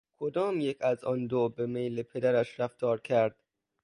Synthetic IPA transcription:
kʰod̪ɒːmjekʰæzɒːnd̪obemejlepʰed̪æɾæʃɾæft̪ɒːɾkʰæɾd̪̥̚

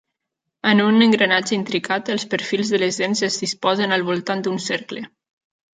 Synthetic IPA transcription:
ənunəŋɡɾənad͡ʒəint̪ɾikat̪əlˠspəɾfilˠzðələzðenzəzðispɔzənəlˠβulˠt̪and̪unsɛɾklə

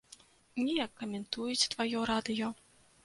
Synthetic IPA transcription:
nʲɛjakːɐmʲɛnt̪ujut͡sʲt̪vajɔɾad̪ɨjɔ

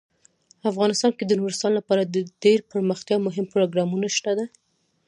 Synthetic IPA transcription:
afɣɑnɪst̪ɑnked̪ənoɾɪst̪ɑnlapɑɾad̪əɖeɾpəɾməxt̪jɑmʊɦɪmpɾoɡɾɑmunaʃt̪ad̪a

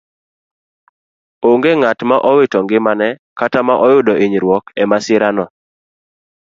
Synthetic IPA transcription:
oŋɡeŋatmaʔɔwɪtɔŋɡɪmanɛkatamaʔɔjʊdɔiɲɾwɔkɛmasɪɾanɔ

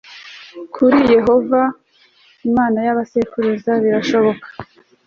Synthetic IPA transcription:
kʰuɾije̞ɦo̞va | imaːnajaβasekuɾuzaβiɾaʃo̞βo̞kḁ

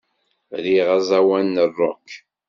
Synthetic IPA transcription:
ɾiʁazˤæwænːərˤːo̰kː

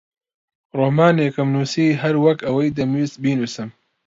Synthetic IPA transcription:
roːmaːneːkɨmnuːsiːɦɐɾwɐkɐwɐjd̪ɐmiːsbiːnuːsɨm

